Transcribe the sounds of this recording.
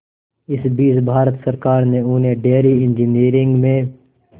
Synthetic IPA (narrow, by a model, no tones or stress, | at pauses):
ɪsbiːsbʱaːɾət̪sɐɾkaːɾneuːneɖeːɾiɪ̃nd͡ʒiniːɾɪ̃ŋɡmẽ